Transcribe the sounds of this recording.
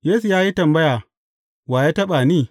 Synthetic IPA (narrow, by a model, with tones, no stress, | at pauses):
jeː˦su˨jaː˦ji˦tɐ˨mbɐ˦jaː˨ | waː˨je˦tɐ˦ɓa˨niː˦˨